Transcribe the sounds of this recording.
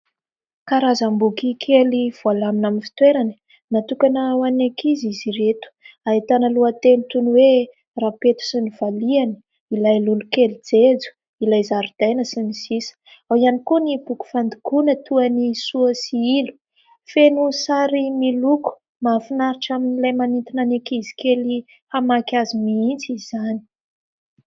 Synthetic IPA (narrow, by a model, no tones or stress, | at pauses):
kaɾazambukikʰeliv̥ualaminaminfi̥t̪weɾanə̥ | nat̪ukanəwanakiziziɾet̪u̥ait̪anəluat̪emit̪unwe | rapet̪u̥siniv̥alianə̥ | ilajlulukelid͡zed͡zu̥ | ilajzaɾud̪̥ajnəsinisisə̥ | awianikunibuku̥fand̪ukunət̪ʰuənisuəsiilu̥ | fenusaɾimiluku̥ | mafinaɾiʈ͡ʂaminilajmanint̪inanekizi̥keli | hamakʲazimiint͡sizani̥